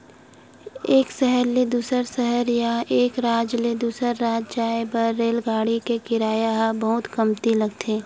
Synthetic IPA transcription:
eːksɛɦəɾled̪uːsəɾsɛɦəɾjaʔeːkɾaːd͡ʒled̪uːsəɾːaːd͡ʒd͡ʒaːebəɾːeːlɡaːɽikekɪɾaːjaɦbɐɦʊt̪kəmt̪ilɐɡt̪ʰẽː

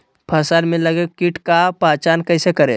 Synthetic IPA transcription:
pʰəsəlmẽləɡekiʈkapaːt͡ʃaːnkəɪsekəɾe

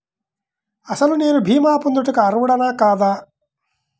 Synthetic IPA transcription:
ɐsɐlune̞ːnubʱiːmaːpund̪uʈukiɐɾʋuɽɐnaːkaːd̪aː

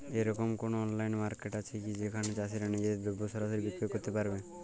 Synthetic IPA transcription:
eɾɔkomkonoɔnlajnmaɾkeʈat͡ʃʰekid͡ʑekʰanet͡ʃas̬iɾanid͡ʑed̪obːosɔɾaʃ̬oɾibikɾekoɾt̪epaɾbe

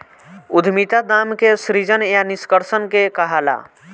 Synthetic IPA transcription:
ud̪ʱmit̪ad̪amkesɾid͡ʒənjaniskəɾsənkekəɦala̰

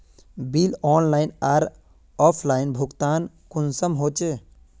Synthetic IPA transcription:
bilɔːnlajnaɾ | ɔpʰlaɪnbʱukt̪an | kunsəmɦot͡ʃe

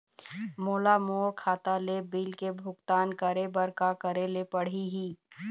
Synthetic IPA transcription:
moːlamoːkʰaːt̪alebiːlkebʱʊɡt̪aːnkəɾebəɾkakəɾelepəɽ̤iɦiː

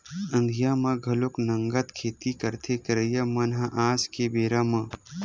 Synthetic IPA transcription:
ɐ̃nd̪ʱijaːmãɡʱɐloknɐŋɡət̪kʰeːt̪ikɐɾt̪ʰekɐɾəjamɐnɦaʔaːskebeːɾamã

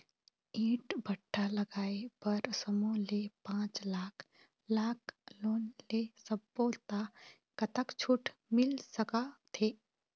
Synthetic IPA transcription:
ĩːʈbəʈʰːaləɡaːepɐɾsəmõlepãːt͡ʃlaːkʰ | laːkʰloːnlesəbːot̪a | kət̪əkt͡ʃʰuʈmɪlsəkat̪ʰeː

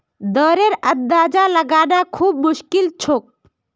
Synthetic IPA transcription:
d̪ɔːɾeɾəd̪ːaːd͡ʒaləɡaːɖakʰuːb̚mʊʃkɪlt͡ʃʰoːk̚

